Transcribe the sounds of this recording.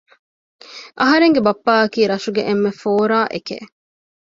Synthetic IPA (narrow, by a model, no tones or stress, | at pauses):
ʔɐɦɐɾeŋɡebɐpːaːɐkiːɾɐʃuɡeʔemːefoːɾaːʔekḛ